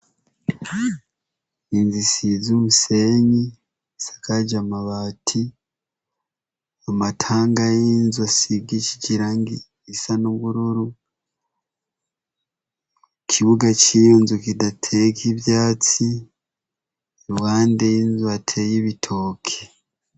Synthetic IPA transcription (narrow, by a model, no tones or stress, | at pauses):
inzisizumuseɲi | sḁkaɟamaβaːtʰi | amatʰaːŋɡajinzwasiɡici̥ɟiɾaŋɡi | isanuɡuɾuɾu | kʰiβuɡacijoːnzukidatʰekiβjaːt͡si | eɾuɣaːndejinzuatʰejiβitʰoːkʰe